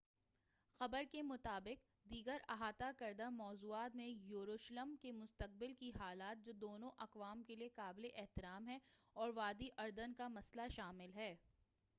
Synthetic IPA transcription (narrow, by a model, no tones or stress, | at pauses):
xɐbəɾkemʊt̪aːbɪq | d̪iːɡəɾɐɦaːt̪akɐɾd̪amɔːzuːaːt̪mẽjuːɾoːʃləmkemʊst̪əq̚bɪlkiɦaːlaːt̪̚d͡ʒoːd̪oːnõʔɐqʋaːmkeliekaːbleʔɛɦt̪ɪɾaːmɦɛɔːɾʋaːd̪iʔɐɾd̪ənkamɐslaʃaːmɪlɦɛː